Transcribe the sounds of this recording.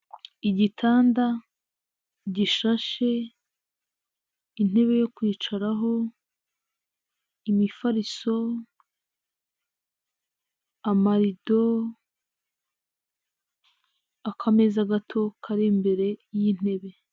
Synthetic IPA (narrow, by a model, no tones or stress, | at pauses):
iɟitʰaːnda | ɟiʃaʃe̞ | in̥e̞βe̞jo̞kwiːt͡ʃaɾaɦo̞ | imifaɾiso̞ | amaɾido̞ | akʰame̞zaɡatʰo̞kʰaɾimbe̞ɾe̞jin̥e̞βe̞